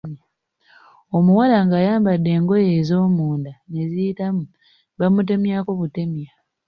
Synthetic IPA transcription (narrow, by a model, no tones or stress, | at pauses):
o̞muwalaŋɡaːjaːmbadːe̞ːŋɡo̞je̞ːzo̞ːmuːndanezijitamu | βamut̬e̞mjako̞βute̞mja